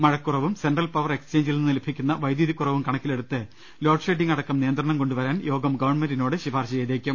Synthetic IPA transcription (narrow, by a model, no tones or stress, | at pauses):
mɐɻɐkːurɐʋumsenɖrɐlpɐʋɐre̞kst͡ɕe̞ːɲd͡ʑilnːɨnilepʰːikʲːunːɐʋɐjd̪juðikʲːurɐʋumkɐɳɐkːile̞ɽut̪ːɨ | lo̞ːʈsʂeːʈ̬ːiŋɡɐɽɐkːɐmnijɐnd̪ɾɐɳɐmko̞ɳɖuʋɐɾaːnjo̞ːɡɐmɡɐʋɐrɳmɐnɖino̞ːɽɨɕibʱaːrɕɐt͡ɕejðeːkʲːum